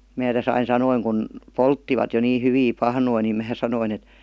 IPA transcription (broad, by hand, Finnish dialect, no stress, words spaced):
mæː tæs ɑin sɑnoiŋ kun poltːiʋɑt jo niː hyʋiː pɑhnoi nim mæː sɑnoin et